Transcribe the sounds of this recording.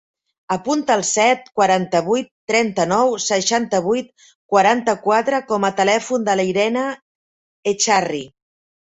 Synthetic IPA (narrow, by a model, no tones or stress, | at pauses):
əpunt̪əːlˠsɛt̪̚kwəɾant̪əβujt̪ːɾɛnt̪ənɔwsəʃant̪əβ̞ujt̪̚ | kwaɾant̪əkwat̪ɾəkɔmət̪əlɛfund̪ələiɾɛnə | et͡ʃari